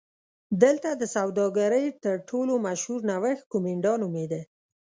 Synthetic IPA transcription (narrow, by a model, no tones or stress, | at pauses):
d̪əlt̪ad̪əsawd̪ɑɡaɾəjt̪əɾʈʰolomaʃhuɾnawəxkomeɳɖɑnumed̪e